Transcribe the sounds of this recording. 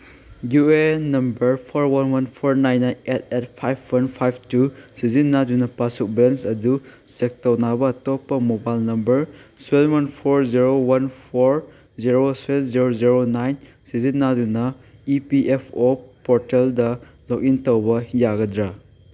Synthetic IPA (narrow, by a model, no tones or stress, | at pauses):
ɡjuenɐmbɐɾpʰoɾwɐnwɐnpʰoɾnajnːajet̚et̚pʰajpʰwɐnpʰajbʰtusizinːadunɐpasuk̚bensɐdu | sek̚tɐwnabɐːtopːɐmobajlnɐmbɐɾswelwɐnpʰoɾziɾowɐnpʰoɾ | ziɾosenziɾoziɾonajn | sizinːadunɐ | ipiʔepʰopoɾteldɐ | lok̚intɐwbɐjaɡɐdɾa